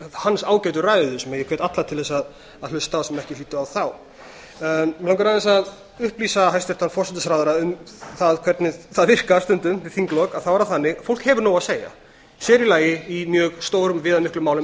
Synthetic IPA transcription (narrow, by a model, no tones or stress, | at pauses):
hansaːwcajt̪ʏraːjðʏsɛmaðjɛkʰvejt̪at̪laɾt̪ʰɪlθɛsːað | aðlʏst̪awsɛmɛhcɪliːt̪ʏawθaw | lawkaɾaðɛsað | ʏhpliːsaɦajst̪ɛft̪anfɔrsɛt̪ʏsɾaːðʏɾaʏmθaðkʰvɛɾt̪nɪθaðvɪr̥kast̪ʏnt̪ʏmvɪθiŋklɔkaðθawvaɾaθanːɪfowl̥khɛvʏɾnoːwaðseːja̰ | sjɛːɾilaːjɪimjœːɣst̪oːwɾʏmvɪːðamɪhklʏmːaːwlʏm